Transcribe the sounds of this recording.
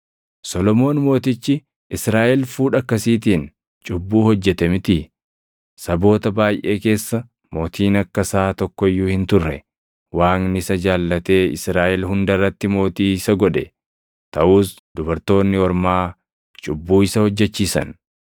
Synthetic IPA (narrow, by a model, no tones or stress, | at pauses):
sɔlɔmo̞ːnmo̞ːt̪ɪt͡ʃːɪ | ʔɪsɾaːʔɛlfuːᶑɐkːɐsiːt̪iːn | t͡ʃʼʊbːuːhɔd͡ʒːɛt̪ɐmɪt̪ɪ | sɐbo̞ːt̪ɐbaːjʔe̞ːke̞ːsːɐ | moːt̪ʰiːnɐkːɐsaːt̪ɔkːɔjːuːhɪnt̪ʊrːɛ | waːŋnɪsɐd͡ʒaːlːɐt̪e̞ːɪ̰sɾaːʔɛlɦʊnd̪ɐrːɐt̪ːɪmo̞ːt̪iːsɐɡɔᶑɛ | t̪ɐʔuːs | d̪ʊbɐɾt̪o̞ːnːɪɔɾmaː | t͡ʃʼʊbːuːɪsɐhɔd͡ʒːɛt͡ʃːiːsɐ̰n